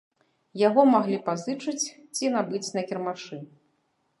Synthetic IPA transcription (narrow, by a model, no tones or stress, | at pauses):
jaɣɔmaɣlʲipazɨt͡ʂɨt͡sʲ | t͡sʲinabɨt͡sʲnɐkʲɛrmaʂɨ